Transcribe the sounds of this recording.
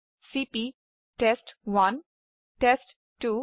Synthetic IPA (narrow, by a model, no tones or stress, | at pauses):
siːpi | ʈesʈʋʌ̃n | ʈesʈ | ʈuː